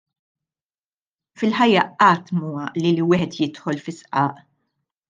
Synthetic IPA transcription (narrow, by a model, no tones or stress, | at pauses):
fɪlħɐjːɐɐːt̪muwɐʔliliwɪːħɛt̪jɪt̪ħɔlfɪsʔɐːʔ